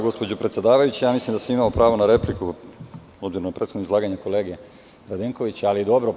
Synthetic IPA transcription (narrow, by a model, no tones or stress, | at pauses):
ɡo̞spo̞d͡ʑopɾet̪sjed̪aːʋajut͡ɕejaːmislimd̪asamimaopɾaːʋo̞naɾe̞pliku | obziɾonapɾet̪xod̪noizlˠaːɡaɲako̞leːɡe | ɾad̪eŋko̞ʋit͡ɕalijed̪o̞bɾo̞